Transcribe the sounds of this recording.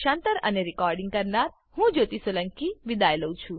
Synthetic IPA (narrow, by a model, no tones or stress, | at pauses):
ʃãnt̪əɾə̰neɾɪkɔɾɖiŋɡ̚kəɾnaɾ | hũd͡ʒot̪isoləŋkiʋid̪ajləũt͡ʃʰũ